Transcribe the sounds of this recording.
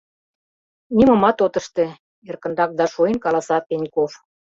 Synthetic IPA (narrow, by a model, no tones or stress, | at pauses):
nimɤ̆mɑt̪ot̪ə̆ʃt̪ĕ | erkə̆nd̪ɑk̚d̪ɑʃojə̆nkɑlɑsɑpenʲkof